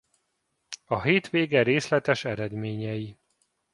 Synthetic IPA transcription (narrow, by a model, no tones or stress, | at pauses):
ɒɦeːt̪ʋeːɡɛɾeːslɛt̪ɛʃɛɾɛd̪meːɲɛji